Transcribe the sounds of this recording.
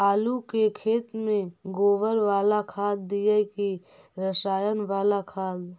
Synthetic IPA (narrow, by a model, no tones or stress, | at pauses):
aːlukekʰeːt̪mẽɡoːʋəɾʋaːlakʰaːd̪d̪ijəki | ɾəsaːjənʋaːlakʰaːd̪